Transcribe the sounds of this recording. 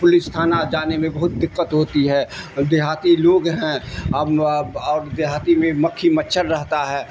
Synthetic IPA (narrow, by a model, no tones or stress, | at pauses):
pʊlɪst̪ʰaːnad͡ʒaːnemẽbɐɦʊt̪̚d̪ɪkːət̪ɦoːt̪iɦɛːd̪ɪɦaːt̪iloːɡɦɛ̃ | ɔːɾd̪eɦaːt̪imẽmɐkʰːimətːʃʰəɾɾəɦt̪aɦɛː